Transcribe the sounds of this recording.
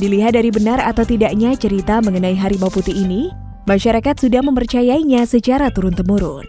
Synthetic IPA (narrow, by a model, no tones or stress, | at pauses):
diliɦat̪̚daɾibənaɾat̪awt̪idaʔɲat͡ʃəɾit̪aməŋənaiɦaɾibawput̪iːni | maʃaɾakat̪sudahməmpərt͡ʃajaiɲasət͡ʃaɾat̪uɾʊnt̪əmuɾʊ̰n